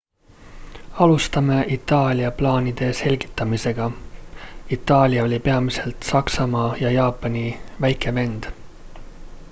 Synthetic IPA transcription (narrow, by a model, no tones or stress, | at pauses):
ɑlust̪ɑme̞ʔit̪ːˑɑːlʲiɑplɑːnid̪̥e̞se̞lʲɡ̥i̥t̪ˑːɑmise̞ɡ̥ɑ | it̪ˑːɑːlʲiɑo̞lʲipe̞ɑmise̞lt̪sɑksɑmɑːjɑjɑːpːˑɑnʲivæjke̞ve̞nd̪̥